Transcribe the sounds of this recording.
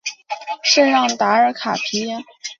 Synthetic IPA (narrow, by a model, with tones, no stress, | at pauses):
ʂə˥˧nɻɑ˥˩ŋt̪a˧˥ə˞˧˥kʰa̰˨˩pʰi˧˥ɛ˥˩